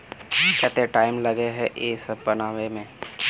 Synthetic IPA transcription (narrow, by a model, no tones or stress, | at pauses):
kɛːt̪eʈaːɪmlɐɡeɦɛʔeːsɐbpɐnaːʋemẽː